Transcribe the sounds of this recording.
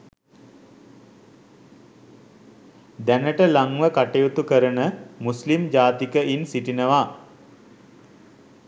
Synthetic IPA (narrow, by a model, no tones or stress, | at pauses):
d̪ænəʈəlaŋʋəkaʈejut̪ukəɾənəmuslimd͡ʒaːt̪ikəʔinsiʈinəʋa